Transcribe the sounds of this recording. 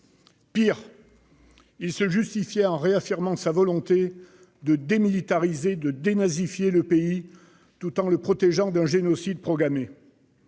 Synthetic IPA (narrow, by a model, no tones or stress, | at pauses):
piʁ | ilsəʒyst̪ifjɛɑ̃ʁeafiʁmɑ̃savɔlɔ̃t̪e | d̪əd̪emilit̪aʁized̪əd̪enazifjeləpei | t̪ut̪ɑ̃ləpχɔt̪ɛʒɑ̃d̪ɛ̃ʒenɔsid̪̚pχɔɡʁame